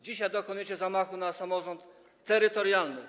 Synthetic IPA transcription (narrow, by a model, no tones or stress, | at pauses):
d͡ʑiɕajd̪ɔkɔnujɛt͡ɕɛzamaxunasamɔʐɔnt̪ː | ɛɾɘt̪ɔɾjalnɘ